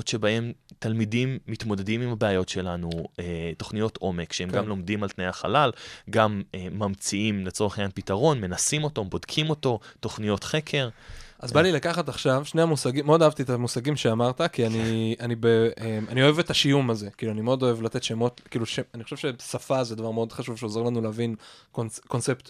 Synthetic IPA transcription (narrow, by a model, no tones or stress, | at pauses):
tʃe̞bae̞mtalmidimːit̪mo̞de̞dimimabeajo̞tʃe̞lanueto̞χnijo̞tʰo̞me̞kʃeemɡɡamlo̞md̪imalt̪nejaχa̰lalɡameːamt͡siimle̞t͡so̞ʁeχeɲanpitaʁo̞nme̞nasimo̞to̞bo̞dkʰimo̞to̞to̞χnijo̞t̪χe̞kʰe̞ʁʔazbalilakaχat̪aχʃavʃneamusaɡimeo̞daɦavt̪iet̪amusaɡimʃeamaʁt̪akianiʔanibeemanio̞evetaʃijumaze̞kiːluanimeod̪o̞e̞vlate̞t̪ʃemo̞tkiːluʃeanixoʃevʃebesafazedavaʁmeo̞d̪χaʃuvʃeo̞ze̞ʁlanuleavinkonko̞nse̞pt̪